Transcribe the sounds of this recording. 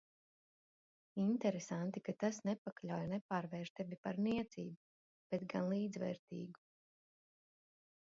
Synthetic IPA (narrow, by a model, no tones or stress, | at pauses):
int̪ɛɾesant̪ikat̪asnɛpaklʲawjnɛpaːɾvɛːɾʃt̪ɛvʲipaɾniɛt̪siːbu | b̥ɛt̪ɡanlˠiːd̪zvɛ̰ːɾt̪ḭːɡu